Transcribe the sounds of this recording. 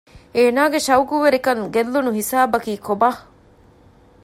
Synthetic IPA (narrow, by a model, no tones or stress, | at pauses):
eːnaːɡeʃɐwɡuʋeɾikɐŋɡelːunuɦisaːbɐkiːkoba